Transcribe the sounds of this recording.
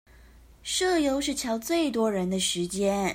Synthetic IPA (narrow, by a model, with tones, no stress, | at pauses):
ʂɤ˥˩jo˥ʊʂɻ̩˥˩t͡ɕʰjɑ˧˥ʊt͡swe˥˩ɪt̪̬wɔ˥ɻə˧˥nd̪ə˧ʂɻ̩˧˥t͡ɕjɛ˥n